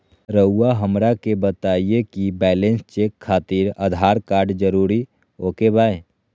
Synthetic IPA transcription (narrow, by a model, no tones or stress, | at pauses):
ɾəuaɦəmɾakebət̪aːiekibɛːlẽnst͡ʃeːkʰːaːt̪iɾəd̪ʱaːɾkaːɾɖd͡ʒəɾuːɾi | oːkebaːe